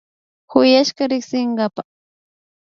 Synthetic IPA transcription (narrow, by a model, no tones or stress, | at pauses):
xʊjaʃɢɑɾɪksɪɴɢɑpa